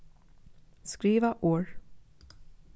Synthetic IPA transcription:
skɾiːvaʔoːɹ

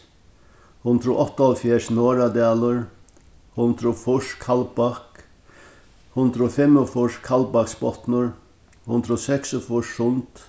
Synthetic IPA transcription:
hʊnd̪ɾəʔɔht̪ːaɔlfjɛːʂnoːɾad̪aːlʊɹ | hʊnd̪ɾəfʊʂkʰalbak | hʊnd̪ɾʊfɛmʊfʊʂkʰalbaksbɔt̪nʊɹ | hʊnd̪ɾʊsɛksʊfʊʂʊnt̪

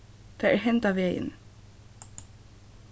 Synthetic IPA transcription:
θaɛɹɦɛnt̪aʋeːjɪ̰n

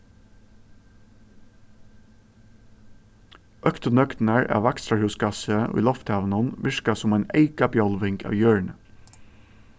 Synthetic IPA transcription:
ʔœkt̪ənœk̪næɹʔɑ̰ːʋækst̪ɾɑhʉːsɡɑsə̰ḭːlɔft̪æʋnɑnʋɪʃkɑsʊmæɪneɪkɑbjɑlʋɪŋkʰɑ̰ːʋjøːɳ

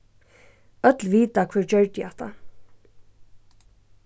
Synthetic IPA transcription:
œt̪lʋiːt̪akʰvɛɹd͡ʒœɹt̪ɪaht̪ʰa̰

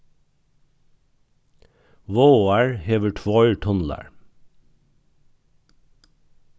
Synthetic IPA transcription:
ʋoːoːæɹheːʋəʈʰʋɔʏəɹʈʰɔnl̩æ̰ɹ

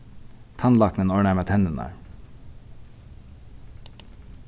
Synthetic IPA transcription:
t̪ʰɑnlɑknənoːɳæmɑt̪ʰhɛnd̪ənæ̰ːɹ

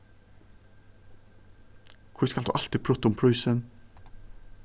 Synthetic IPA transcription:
kʰʊskɑld̪ʉ̰ːʔɑlt̪ipʰɾʊt̪əʊmpʰɹʉʏsən

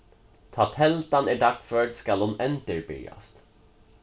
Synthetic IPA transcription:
t̪ʰɑt̪hɛlt̪anæɖakfœːɖskalhʊnɛnt̪əɾbʏ̰ja̰st̪

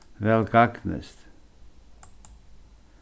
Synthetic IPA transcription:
ʋelkɑknḛst̪

